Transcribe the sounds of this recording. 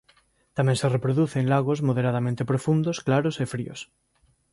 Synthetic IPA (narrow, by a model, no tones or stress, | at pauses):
t̪amẽŋserepɾoðuθeŋlaɣ̞ozmoð̞eɾað̞amẽnt̪epɾofund̪osklaɾosefɾḭos